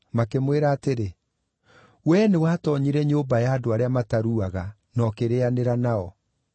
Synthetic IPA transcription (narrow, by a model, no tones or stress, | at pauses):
makemweɾaːteɾe | wɛnewaːtɔɲiɾɛɲombajaːdoaɾeamataɾuaɣa | nɔkeɾeaneɾanaɔ